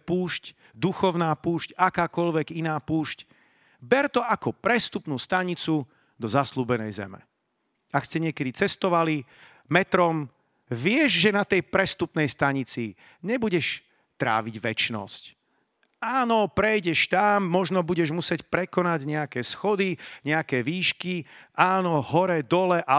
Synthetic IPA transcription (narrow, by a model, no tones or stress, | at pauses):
puːʃc | d̪uxɔʊnaːpuːʃcakaːkɔʎʋɛɡinaːpuːʃc | bɛɾt̪ɔakɔpɾɛst̪upnuːst̪aɲit͡su | d̪ɔzasluːbɛnɛ̰jzɛ̰mɛ̰ | akscɛɲɪɛkɛd̪it͡sɛst̪ɔʋali | mɛt̪ɾɔm | ʋɪɛʒʒɛnat̪ɛjpɾɛst̪upnɛjst̪aɲit͡si | ɲɛbuɟɛʃ | t̪ɾa̰ːʋiɟʋɛt͡ʃnɔ̰sc | aːnɔpɾɛjɟɛʃt̪amːɔʒnɔbuɟɛʒmusɪɛcpɾɛkɔnaɟɲɛakɛːsxɔd̪iɲɛakɛːʋiːʃkiʔaːnɔɦɔɾɛd̪ɔlɛʔa